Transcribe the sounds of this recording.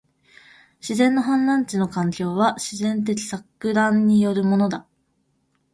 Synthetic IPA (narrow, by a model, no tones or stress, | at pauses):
ɕizẽ̞nːo̞ɦãnːãɲ̟t͡ɕino̞kãŋkʲo̞ːβaɕizẽ̞nt̪̬e̞k̬ʲi̥sakːɯ̟ɾãɲːijo̞ɾɯ̟mo̞no̞d̪a